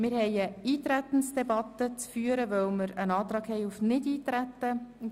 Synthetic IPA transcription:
mɪɾhɛɪəiːtɾæt̪ən̩sd̥ɛbɑt̪ət͡sfyːəɾəvœlmɪɾənɑːt̪ɾɑːɡhɛɪufnɪdiːt̪ɾæt̪ːə

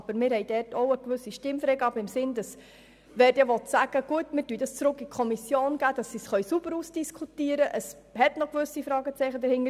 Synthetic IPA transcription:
b̥əɾmɪɾhɛɪd̥ɛɾtɔʊəkʋʏsːiʃtɪmfɾɛɡɑbəɪmsɪnd̥ɑs | ʋɛːɾtjɑʋɔtsæɡ̥əɡ̥uətmɪːɾtyːdɑst͡sɾʊkːikʰɔmisjoːnɡ̥æːd̥ɑsːisχœɥsubəɾuːsd̥iskʰutiəɾəʔəs | hɛtnɔkʋʏsifɾɑːɡət͡sɛɪχədəɾhɪŋə

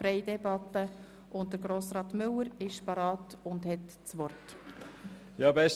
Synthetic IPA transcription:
ɾɛɪdɛbɑtːə | ʔʊnt̚d̥əɾɡɾoːsɾɑːtmʏləɾɪʃpɑɾɑːtʊndhɛt | t͡sʋɔrt | jɑːbɛs

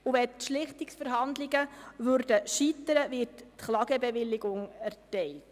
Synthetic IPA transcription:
uʋɛtʃlɪχt̪ɪksfəɾɦɑnd̪lɪɡəʋøɾdəʃit̪əɾəʋɪttχlɑɡəbɛʋɪlːɪɡʊŋæɾtɛɪlt

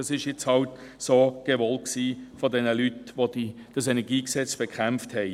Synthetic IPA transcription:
ɑsɪʃjɛt͡shɑltsoːɡ̥eʋɔlksiːfodɛnəlytʋodi | d̥ɑsenɛɐɡiːksɛt͡sb̥ekʰχæmfthɛɪ

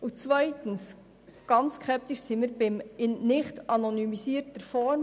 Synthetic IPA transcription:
ut͡sʋœjtəns | ɡ̥ɑnt͡sskχɛp̚t̪iʃsimiɾbɪmɪnnɪχtɑnonymisiəɾtəɾfɔɾm

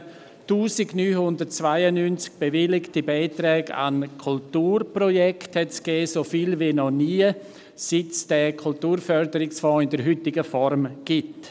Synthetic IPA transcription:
tuːzɪɡnyːhʊndəɾt̚t͡svaɪənynt͡sk̚b̥evɪlɪktibaɪtɾɛːɡa̰nkʰultuːrprɔjɛkthɛtsɡ̥ɛːsofilvinɔniːə | sɪtsd̥ɛkʰultuːɾfœɾdəɾɪksfɔ̃ːɪndəɾɦʏtɪɡəfɔɾmɡ̥ɪt

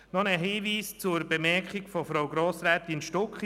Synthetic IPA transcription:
nɔnəɦiːʋiːst͡sʊɾbɛmɛɾkχɪɡfɔfɾawɡɾɔːsɾæːt̪ɪnʃtɔkχ

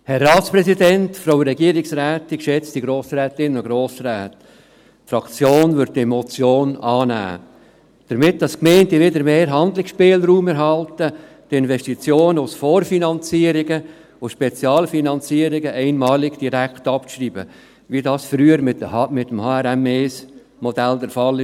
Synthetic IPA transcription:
hɛrːɑːtspɾɛsidɛntfɾoʊɾɛɡiəɾɪksɾɛːt̪ikʃɛt͡std̥iɡɾoːsɾɛːtɪnːənʊɡɾoːsɾæːt | fɾɑkʰt͡sjoːnvʏdɛmɔt͡sjoːnɑːnæ̰ː | d̥əɾmɪt̚d̥ɑskmɛɪntiʋɪdəɾmeːɾɦɑnd̪lɪksʃpeːlɾuːmɛɾɦɑltə | tɪnvɛʃtit͡sjoːnəʊsfoːrfinɑnt͡siːəɾɪɡə | ʊʃpɛt͡sjɑːlfinɑnt͡siəɾɪɡəʔɛɪnmɑːlɪɡd̥iɾæktɑpʃɾiːbə̰ | ʋidɑːsfɾyːəɾmɪmɪtːəmhɑːɛɾɛmes | mɔdældɛɾfɑlːɪ

